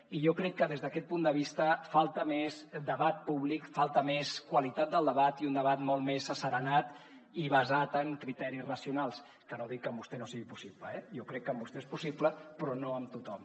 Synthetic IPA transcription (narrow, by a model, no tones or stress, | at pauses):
iʒɔkɾɛkːəðezðəkɛt̪̚pund̪əβ̞ist̪əfalˠt̪əmezd̪əβat̪̚puβlikfalˠt̪əmeskwəlit̪at̪̚d̪əlˠd̪əβat̪iund̪əβat̪molˠmesəsəɾənat̪ | iβəzat̪əŋkɾit̪ɛɾisrəsiunalˠs | kənoðikkːəmbust̪ɛnosiɣipusipləɛjokɾɛkːəmbust̪eespusipləpɾɔnoəmt̪ut̪ɔm